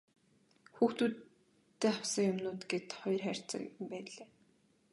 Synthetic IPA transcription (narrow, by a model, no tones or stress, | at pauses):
xuːxt̪uːt̪ː | eːaw̥sə̆ŋjʊmnʊːt̪ɡet̪χɔj̆rχær̥ʲt͡sə̰̆kmpæːɮeː